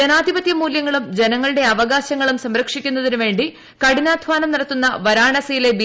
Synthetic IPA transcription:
enaːd̪ʱibɐt̪jɐmuːljɐŋːɐɭumd͡ʑe̞nɐŋːɐɭɨɽe̞ɐʋɐɣaːɕɐŋːɐɭumsɐmɾɐkʂikʲːunːɐðinuʋe̞ːɳɖi | kɐɽinaːd̪ʱʋaːnɐmniɽɐt̪ːunːɐʋɐɾaːɳɐsɐjile̞bi

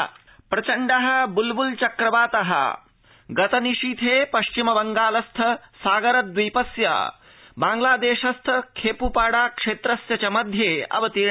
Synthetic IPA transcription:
pɾɐt͡ʃɐɳɖɐɦɐ̆bulbult͡ʃɐkɾɐʋaːt̪ɐɦɐ̰ | ɡɐt̪ɐniʂit̪ʰeːpɐʃt͡ʃimɐbɐŋɡaːlɐst̪ʰɐsaːɡɐɾɐt̪̚d̪ʋijpɐsja̰ | baːŋɡlaːd̪eːʃɐst̪ʰɐkʰeːpupaːɽaːkʂeːt̪ɾɐsjɐt͡ʃɐmɐd̪ʱjeːɐ̰ʋɐt̪iɾ

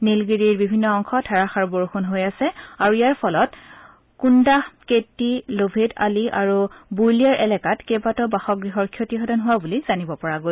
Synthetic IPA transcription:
nilɡiɹiɹbibʱinːɔɔŋxɔtʰaɹaxaɹuboɹxunɦojasɛaɹuijaɹpʰɔlɔt | kundahketːilobʱeda̰liʔa̰ɹubujliaɹʔɛlɛkatkebatɔbaxɔk̚ɡɹixɔɹkʰjotiɦɔdɔnɦʊwabulizanibɔpɔɹaɡo

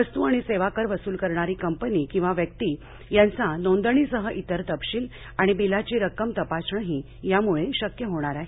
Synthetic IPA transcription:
əst̪uaɽ̃iseʋakəɾʋəsuːlkəɾɳaɾiːkəmpəniːkĩw̃ʋaʋjəkt̪i | jãnt͡sanõnd̪əɳ̃isəɦəʔit̪əɾt̪əpɕiːl | aɽ̃ibilat͡ɕiːɾəkəmt̪əpasɳəɦi | jamuɭeɕəkjəɦoɽ̃aɾae

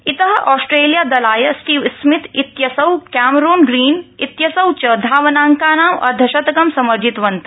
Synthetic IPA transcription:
it̪ɐɦɐ̆ʔɔːsʈɾeːlijaːd̪ɐlaːjɐsʈiːʋsmit̪it̪jɐsɐwkæːmɾoːnɡɾiːnit̪jɐsɐwt͡ʃɐd̪ʱaːʋɐnaːŋkaːnaːʋɐ̰d̪ʱɐʃɐt̪ɡɐmsɐmɐɾd͡ʒʱit̪ʋɐnt̪ɐ

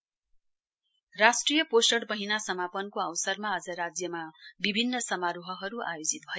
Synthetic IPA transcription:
rasʈrijʌposʈʌɽmʌɦinasʌmapʌnkoʌwsʌrmaːd͡zʌɾad͡zjʌmabibʱinːʌsʌmaɾuɦʌɦʌɾuajod͡zit̪̚bʱʌj

